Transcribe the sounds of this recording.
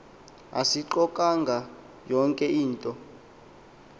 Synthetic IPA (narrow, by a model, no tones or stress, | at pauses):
a̰siǃɔkʼaŋɡʱa | jɔŋkʼɛiːntʼɔ